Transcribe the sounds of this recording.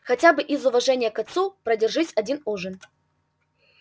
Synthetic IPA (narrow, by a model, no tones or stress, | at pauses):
xɐtʲabɨʔizʊvɐʐɛnʲɪjəkɐt̪supɾədʲɪrʐɨsʲɐdʲinuʐɨn